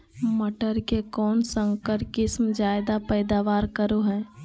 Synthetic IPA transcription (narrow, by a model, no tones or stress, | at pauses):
məʈəɾkekɔːnsə̃ŋkəɾkɪsmd͡ʒaːɪd̪apəɪd̪aʋaːɾkəɾoɦɛː